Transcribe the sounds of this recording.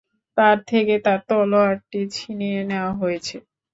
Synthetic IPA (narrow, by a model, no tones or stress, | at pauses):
t̪aɾt̪ʰeket̪aɾt̪ɔloaʈ̚ʈit͡ɕʰinijeneoaɦojet͡ɕʰe